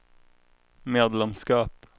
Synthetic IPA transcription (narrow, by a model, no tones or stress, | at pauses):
meːd̪lɛmskɑːp